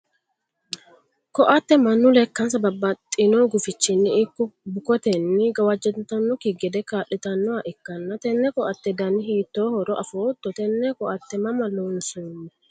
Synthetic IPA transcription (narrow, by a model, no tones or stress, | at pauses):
kɔʔɐt̪ːɛmɐnːʊlɛkːɐnsɐbɐbːɐt̪ʼːɪnoɡʊfɪt͡ʃːɪnːɪɪkːɔbʊkɔt̪ɛnːɪɡɐwɐd͡ʒɛd̪t̪ɐnːɔkɪɡɛd̪ɛkaːʔːɪt̪ɐnːɔaʔɪkːɐnːɐt̪ɛnːɛkɔʔɐt̪ːɛd̪ɐnːɪhiːt̪ːo̞ːhɔɾɔʔɐfoːt̪ːɔt̪ɛnːɛkɔʔɐt̪ːɛmɐmɐlonsuːnːɛ